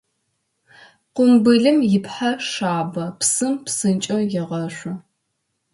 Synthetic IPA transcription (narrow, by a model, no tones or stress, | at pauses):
qʷʊmbɨɮɨmjɪpħaʂaːbɐpsɨmpsɨnt͡ʃʼɐwjɛʁɐʃʷɐ